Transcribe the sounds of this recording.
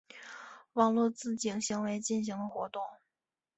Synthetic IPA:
wɑ˨˩ŋlwɔ˥˧t͡sɹ̩˥˩t͡ɕi˧˩ŋɕi˧˥ŋwe˧˥ɪt͡ɕi˥˩nɕi˧˥ŋd̪ə˧xwɔ˧˥t̪ʊ˥˩ŋ

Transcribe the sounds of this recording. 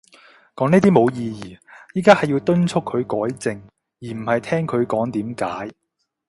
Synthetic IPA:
kɔː˨˥ŋniː˥t̪iː˥mo˨˧wjiː˧jiː˨˩jiː˨˥kaː˥hɐ˨jːi˧wt̪ɵ˥nt͡ʃʰʊ˥kʰːɵ˨˧ɥkɔː˨˥jt͡sɪ˨ŋ | jiː˨˩m̩˨˩hɐ˨jt̪ʰɛː˥ŋkʰɵ˨˧ɥkɔː˨˥ŋt̪iː˨˥mkaː˨˥j

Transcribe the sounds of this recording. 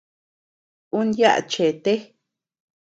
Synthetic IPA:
u˦nja˦ʔa̰˨t͡ʃe˨t̪e˦

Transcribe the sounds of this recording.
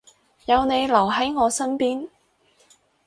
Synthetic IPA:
jɐ˨˧wne˨˧jlɐ˨˩wɦɐ˨˥jŋɔː˨˧sɐ˥npiː˥n

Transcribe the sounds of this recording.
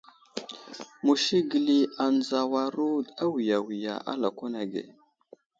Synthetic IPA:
mu˨ʃi˦ɡi˨li˦a˨nd͡za˨wa˨ɾu˦da˦wi˨ja˨wi˨ja̰˨ʔa̰˦la˨ka˦na˨ɡḛ˨

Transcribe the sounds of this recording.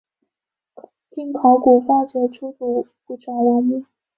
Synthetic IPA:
t͡ɕi˥nkʰɑ˧˥ʊku˨˩fa˥t͡ɕɥɛ˧˥ʈ͡ʂʰu˥t̪u˨˩pu˥˩t͡ɕʰa˧˥ŋwɔ˧˥mi˥˩

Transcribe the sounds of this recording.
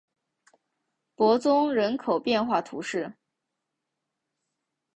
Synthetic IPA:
pwɔ˧˥t͡sʊ˥ŋɻə˧˥nkʰo˨˩ʊpjɛ˥˧nxwa˥˩t̪ʰu˧˥ʂɻ̩˥˩

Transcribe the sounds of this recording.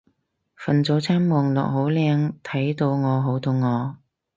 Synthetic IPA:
fɐ˨nt͡so˨˥wt͡sʰaː˥mmɔː˨˩ŋlɔ̰ː˨k̚ɦo˨˥wlɛː˧ŋt̪ʰɐ˨˥jt̪o˧wŋɔː˨˧ɦo˨˥wt̪o˧wŋɔː˨˧

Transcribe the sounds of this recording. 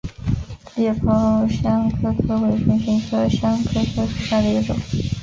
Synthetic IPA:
ljɛ˥˩pʰo˧˥˧ɕjɑ˥ŋkʰɤ˥kʰɤ˥we˨˩ɪʈ͡ʂɛ˧˥nɕi˧˥ŋkɤ˥ɕjɑ˥ŋkʰɤ˥kʰɤ˥ʂʰu˧˥ɕja˥˩d̪ə˩i˧˥ʈ͡ʂʊ̰˨˩˦ŋ

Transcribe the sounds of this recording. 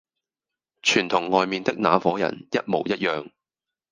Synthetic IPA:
t͡ʃʰyː˨˩nt̪ʰʊ˨˩ŋːɔː˨˧jmiː˨nt̪ɪ˥k̚naː˨˧fɔː˨˥jɐ̰˨˩njɐ˦˥t̚mo˨˩wjɐ˥t̚jœː˨ŋ

